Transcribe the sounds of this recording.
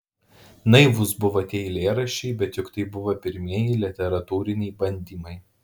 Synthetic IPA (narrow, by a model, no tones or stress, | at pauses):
nɐɪʋʊsbʊʋɐt̪ʲeːɪlʲeːɾɐʃʲɛɪbʲɛt̪jʊkt̪ɐɪbʊʋɐpʲɪɾʲmʲiɛjɪlʲɪt̪ʲɛɾɐt̪uːɾʲɪnʲɛɪbɐnʲd̪ʲiːmɐɪ